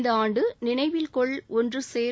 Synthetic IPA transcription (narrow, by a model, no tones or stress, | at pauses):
nd̪ɐaːɳɖɯnɪɳɐɪʋɪlkɔɭɔndrɯseː